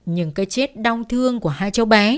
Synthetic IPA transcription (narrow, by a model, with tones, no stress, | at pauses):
ɲɨ̰˧˥ŋkaː˨˦jt͡ɕe˦˥t̚ɗa˧wŋ͡mt̪ʰɨ˧əŋku˧˩əhaː˧jt͡ɕə˨˦wɓaː˨˦